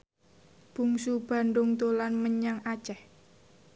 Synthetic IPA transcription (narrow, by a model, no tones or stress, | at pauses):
b̥ṳŋsub̥a̤nd̪ʊŋt̪olanməɲaŋḁt͡ʃɛh